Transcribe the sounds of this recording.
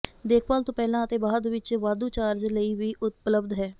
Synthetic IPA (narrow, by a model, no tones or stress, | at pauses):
d̪eːkʰʋaːlt̪õːpɛːlãːət̪eːbaːd̪ʋɪt͡ʃʋaːd̪ũːt͡ʃaːɾd͡ʒləiːʋiːʔʊt̪̚pləbd̪ɦɛː